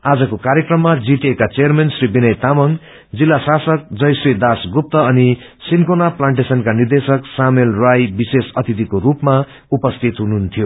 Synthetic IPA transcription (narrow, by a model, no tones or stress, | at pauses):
ad͡zʌkokaɾjekrʌmːad͡ziʈekat͡sejʌrmensribinʌjt̪amʌŋ | d͡zilːasasʌk̚d͡zʌjsid̪asɡup̚t̪ʌʌni | sinkonaplaɳʈesʌnkanird̪esʌksamelrajbisesʌt̪it̪̬ikoɾupma | upʌst̪ʰit̪ɦunuɦnt̪ʰijo